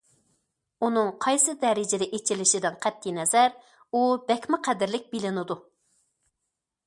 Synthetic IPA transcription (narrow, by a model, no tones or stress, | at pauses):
unɨŋqʰɑjsɨd̪ɛɾɪd͡ʒɪd̪ɛʔet͡ʃʰilɪʃɪd̪ɪnqʰæt̪ʰːinɛzæɾ | ubɛkʲmɪqʰæd̪ɪɾlɪk̚ʲbilɪnɪd̪u